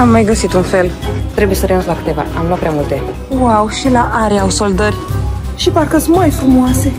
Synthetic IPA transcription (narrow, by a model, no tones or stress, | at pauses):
amːajɡəsit̪unfe̞lt̪ɾebuje̞səɾeunslakɨ̥t̪e̞va̰a̰mlat̪pɾʲamult̪e | wawʃilaʔaɾeawso̞ld̪ərʲʃiparkəsmajfɾumuase